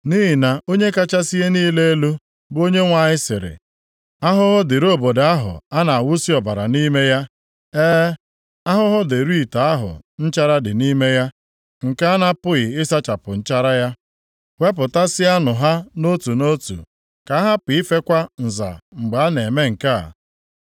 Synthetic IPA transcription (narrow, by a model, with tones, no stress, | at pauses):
ni˦ɦi˨na˨o˦ɲe˦ka˦t͡ʃa˦si˦ɣe˦niː˦le˦e˦lu˦ | bo˦ɲe˦ŋʷa˨ɲɪ˦sɪ̰˨ɾɪ̰˨ | a˦ɦʊ˦ɦʊ˦dɪ˨ɾo˦˨bo˨da˦ɦʊ̰˨a˦na˨a˨wʊ˦si˦ɔ˨ba˨ɾa̰˨ni˦me˦ja˦ | eː˦ | a˦ɦʊ˦ɦʊ˦de˨ɾi˦˨ta˨a˦ɦʊ̰˨n̩˦t͡ʃa˦ɾa˦dɪ˨ni˦me˦ja˦ | ŋ̩˨ka˦na˦pʊ˦ɣɪ˨ɪ˦sa˦t͡ʃa˨pʊ˨n̩˦t͡ʃa˦ɾa˦ja˦ | we˦p̬ʊ˨ta˦sɪ˦a˦nʊ˨ɦa˦no˦tu˨no˦tṵ˨ | ka˨a˦ɦa˦pi˨i˦fe˦kʷa˦n̩˨za̰˨ŋ͡m̩˨ɡ͡ba˨a˦ne˨me˦ŋ̩˨ka̰˦˨